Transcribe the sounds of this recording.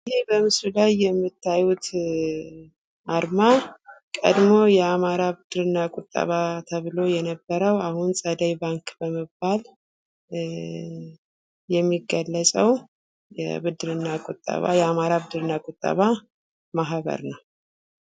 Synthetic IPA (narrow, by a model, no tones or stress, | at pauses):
jebəmɨsɾulajːɛmːɨt̪ʰːajut̪ | ʔaɾmakʼə̰d̪mojɛamaɾaβɨd̪ɾɨnːakʼʊt̪ʼːə̰βat̪ʰəβɨlo̞jɛnəbːəɾəwahunsʼəd̪əjbaŋkʼbəməbːal | jɛmːiɡːəlːəsʼəw | jɛ̰bɨd̪ɾɨnːakʼʊt̪ʼːə̰βa̰jɛamaɾaβɨd̪ɨɾɨnːakʼʊt̪ʼːə̰βa | maɦβə̰ɾnəw